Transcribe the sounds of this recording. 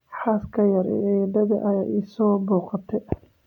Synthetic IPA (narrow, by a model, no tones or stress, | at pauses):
ħaːskʰɐjɐɾɛ̰ʕɛɖɐðɐʔɐɪsɔːbuːqɑt̪ʰɛ